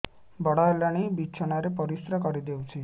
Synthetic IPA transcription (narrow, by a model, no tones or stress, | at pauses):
bɔɽaelaɽ̃ibit͡ʃʰɔɽ̃aɾepɔɾisɾakɔɾid̪ewt͡ʃʰi